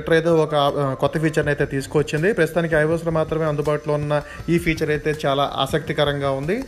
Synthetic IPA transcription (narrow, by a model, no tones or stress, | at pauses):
ʈɐɾɐjt̪e̞ːɔkɐkɔt̪ːɐpʰiːt͡ʃɐɾnɐjt̪e̞ːt̪iːsu̥koʋɐt͡ʃːind̪ipɾɐst̪t̪aːnik̬iɐjʋoːslɐmaːt̪ɾɐme̞ːɐnd̪ubaːʈuloːunːɐ | iːpʰiːt͡ʃɐɾɐjt̪e̞ːt͡ʃaːlaːʔa̰ːsɐk̚t̪ikɐɾɐŋɡaːund̪i